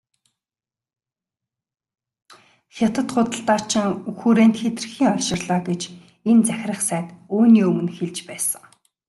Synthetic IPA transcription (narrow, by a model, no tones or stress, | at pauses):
xʲat̪ə̆t̪χʊt̪ə̆ɬt̪aːr̥t͡ɕʰɪ̆ŋuxuːɾeːnt̪xet̪ɘ̆rxiːŋɔʃɪ̆rɮaːɡet͡ɕ | ent͡sæxʲrə̆χsæːt̪oːniːɵmɵ̆nxeɮt͡ɕpæːsə̥̆ŋ